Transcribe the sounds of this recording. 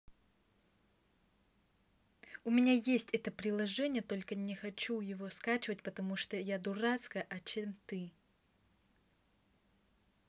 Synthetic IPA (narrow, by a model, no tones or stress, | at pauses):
ʊmʲɪnʲajesʲtʲɛt̪əpɾʲɪlˠɐʐɛnʲɪjət̪o̞lʲkənʲɪxɐt͡ɕujɪvo̞skat͡ɕɪvətʲpət̪ɐmuʂt̪ojad̪ʊrat̪skəʔɐt͡ɕemt̪ɨ